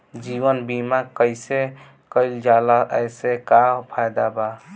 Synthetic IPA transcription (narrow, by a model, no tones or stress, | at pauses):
d͡ʒiʋənbimakəjse | kəɪld͡ʒalaʔəsekapʰajd̪aba